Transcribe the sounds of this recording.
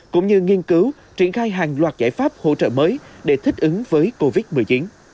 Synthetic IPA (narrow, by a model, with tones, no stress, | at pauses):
kʊ̰˧˥ŋ͡mɲɨ˧ŋi˧ənkɨ˨˦w | t͡ɕwi˧˩ənxaː˧jɦaː˨˩ŋlwaː˨˩t̚zaː˧˩jfaː˦˥p̚ho̰˧˨t͡ɕə̰ː˧˨məː˨˦jɗe˧˩t̪ʰï˦˥k̟̚ʔɨ˨˦ŋvəː˨˦jko˧vi˦˥t̚mɨ˨˩əjt͡ɕi˨˦n